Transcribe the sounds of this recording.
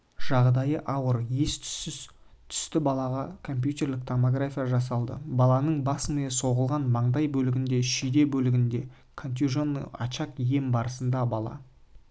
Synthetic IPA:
ʒ̥ɑʁd̪ɑjəʔɑwəɾjes | t̪ʰʏ̥st̪ɪbɑlˠɑʁɑkʰo̞mpjut̪e̞rlɪk̚t̪ʰomoɡrafʲijaʒɑsɑlˠd̪ə̰bɑlˠɑnəɴbɑsməjeso̞ʁəlˠʁɑnmɑɴd̪ɑjbɵlɪɡʲɪnd̪e̞ʃijd̪e̞bɵlɪɡʲɪnd̪e̞ | kʰont̪ʲjuʒon̰ɑ̰t͡ʃɑqje̞mbɑɾəsənd̪ɑbɑlˠɑ̰

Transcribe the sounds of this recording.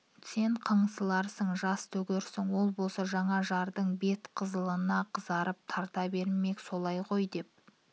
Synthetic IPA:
se̞ɴqʰəɴsəlˠɑɾsəɴʒɑst̪ʰɵɡʲɪɾsɪŋwo̞lˠbo̞lˠsɑʒɑɴɑʒɑɾd̪əɴbe̞t̪qʰəzəlˠənɑqʰəzɑɾəp̚t̪ʰɑɾt̪ɑbe̞ɾme̞kso̞lˠɑjqʰo̞jd̪e̞p̚

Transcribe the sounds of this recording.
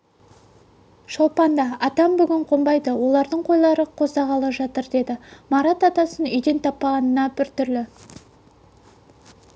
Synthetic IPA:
ʃolˠpɑnd̪ɑɑt̪ɑmbʏɡʲɪɴqʰo̞mbɑjd̪əwo̞lˠɑɾd̪əɴqʰo̞jlˠɑɾəqʰo̞zd̪ɑʁɑlˠəʒɑt̪əɾd̪e̞d̪ɪmɑɾɑt̪ɑt̪ɑsənʏjd̪e̞nt̪ʰɑpːɑʁɑnənɑbɪɾt̪ʏɾlɪ

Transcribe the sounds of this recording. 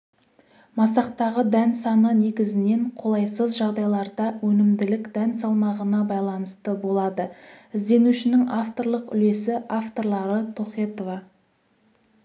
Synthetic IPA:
mɑsɑqt̪ɑʁəd̪ænsɑnəne̞ɡʲɪzɪne̞ɴqʰo̞lˠɑjsəzʒɑʁd̪ɑjlˠɑɾd̪ɑwɵnɪmd̪ɪlɪkd̪̥ænsɑlˠmɑʁənɑbɑjlˠɑnəst̪əbo̞lˠɑd̪əɪzd̪e̞nuʃɪnɪŋaft̪o̞ɾlˠəqʏle̞sɪʔaft̪o̞ɾlˠɑɾət̪ʰo̞χet̪ovɑ

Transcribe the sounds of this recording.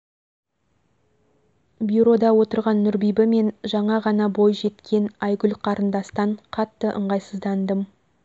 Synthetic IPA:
bjuɾo̞d̪ɑwo̞t̪əɾʁɑnːʏɾbijbɪme̞nʒɑɴɑʁɑnɑbo̞jʒe̞t̪kʲʰe̞nɑjɡʲʏlqʰɑɾənd̪ɑst̪ɑɴqʰɑt̪ːəʔə̰ɴʁɑjsəzd̪ɑnd̪əm

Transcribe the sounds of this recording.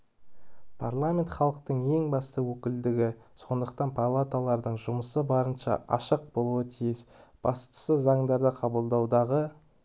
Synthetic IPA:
pʰarlˠamʲe̞nt̪χɑlˠəq̚t̪əɴe̞ŋbɑst̪əwɵkʲɪld̪ɪɡʲɪso̞nd̪əq̚t̪ɑnpʰalˠat̪alˠɑɾd̪əɴʒʊməsəbɑɾənʃɑ̰ʔɑ̰ʃəq̚bo̞lˠuwət̪ʰijɪsb̥ɑst̪ə̥səzɑɴd̪ɑɾd̪əqʰɑbəlˠd̪ɑwd̪ɑʁə

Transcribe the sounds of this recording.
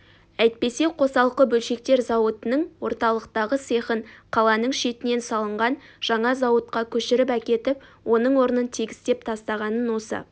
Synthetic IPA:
æjt̪̚pe̞seqʰo̞sɑlˠqəbɵlʃe̞k̚t̪e̞ɾzɑwət̪ənəɴwo̞ɾt̪ɑlˠəq̚t̪ɑʁəse̞χənqʰɑlˠɑnəɴʃe̞t̪ɪne̞nsɑlˠəɴʁɑnʒ̥ɑɴɑzɑwət̪qɑkʲʰɵʃɪɾɪpækʲe̞t̪ɪpwʔo̞nəɴwo̞ɾənənt̪ʰiɡʲɪst̪e̞pt̪ʰɑst̪ɑʁɑnənwo̞sə̰

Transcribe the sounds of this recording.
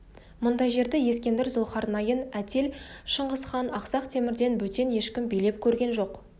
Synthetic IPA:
mʊnd̪ɑjʒe̞ɾd̪eje̞skʲe̞nd̪ɪɾzʊlˠχɑɾnɑjənæt̪ʰe̞lʃəɴʁəsχɑnɑqsɑqt̪ʰe̞mɪɾd̪e̞nwɵt̪e̞nje̞ʃkʲɪmbijle̞p̚kʲʰɵɾɡʲe̞nʒo̞q

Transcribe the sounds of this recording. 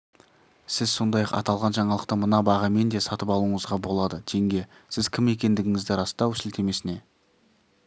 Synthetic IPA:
sɪzso̞nd̪ɑjɑqɑ̰t̪ɑlˠʁɑnʒɑɴɑlˠəq̚t̪əmənɑbɑʁɑme̞nd̪e̞sɑt̪əpɑlˠuəɴəzʁɑbo̞lˠɑd̪ət̪ʰeŋɡʲe̞ | sɪzkʲʰɪme̞kʲe̞nd̪ɪɡʲɪŋɪzd̪ɪɾɑst̪ɑwsɪlt̪ʰe̞me̞sɪne̞

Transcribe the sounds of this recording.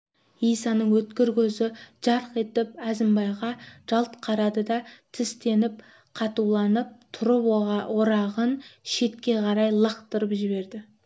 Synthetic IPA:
ijsɑnəɴwɵt̪kʲɪɾkʲʰɵzɪʒ̥ɑɾəqe̞t̪ɪp̚æzɪmbɑjʁɑʒ̥ɑlˠt̪qʰɑɾɑd̪əd̪ɑt̪ʰɪst̪e̞nɪp̚ | qʰɑt̪uwlˠɑnəp̚t̪ʰʊɾəpoɾɑʁənʃe̞t̪̚kʲe̞qʰɑɾɑjlˠəqt̪əɾəpʒɪβe̞ɾd̪ɪ

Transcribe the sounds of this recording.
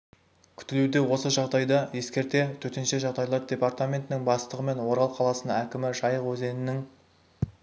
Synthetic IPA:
kʲʰʏ̥t̪ɪlud̪e̞wo̞səʒɑʁd̪ɑjd̪ɑje̞skʲe̞ɾt̪e̞t̪ʰɵt̪e̞nʃe̞ʒɑʁd̪ɑjlˠɑɾd̪ʲe̞part̪amʲe̞nt̪ɪnɪŋbɑst̪əʁəme̞nwoɾɑlˠqʰɑlˠɑsənækʲɪmɪʒɑjəqwɵze̞nɪnɪŋ

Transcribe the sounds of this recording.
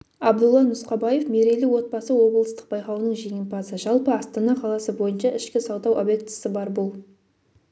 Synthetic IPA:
ɑbd̪ulˠːɑnʊsqɑbɑjefme̞ɾelɪwo̞t̪̚bɑsəwo̞blˠəst̪ə̥q̚bɑjqɑwnəɴʒe̞ŋʲempɑsəʒɑlˠpəɑst̪ɑnɑqʰɑlˠɑsəbo̞jənʃɑʔɪʃkʲɪsɑwd̪ɑwʔobjek̚t̪ɪ̥səbɑɾbolˠ

